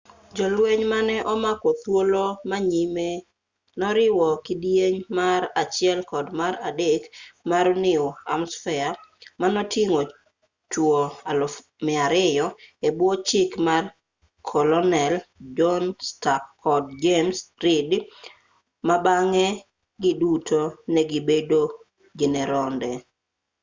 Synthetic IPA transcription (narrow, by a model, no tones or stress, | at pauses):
d͡ʒɔlweɲmanɛʔɔmakɔt̪wolomaɲime | nɔɾɪwɔkɪdijeɲmaɾat͡ʃɪɛlkɔdmaɾadekmaɾɔnɪɔa̰msfɛamanɔtiŋo | t͡ʃwoal | mɪaɾɪjɔebwot͡ʃɪkmar | kʰɔlɔnɛld͡ʒɔnstakʰɔd̚d͡ʒemsɾɪd | mabaŋɛ | ɡɪdutʰonɛɡɪbedo | d͡ʒɛnɛɾɔndɛ